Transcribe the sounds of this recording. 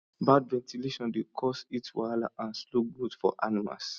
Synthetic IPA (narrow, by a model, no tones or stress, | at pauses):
badvɛ̃ntileʃɔ̃ndekʰɔsitwalaʔãnsloɡudfɔ̰ʔa̰nima̰s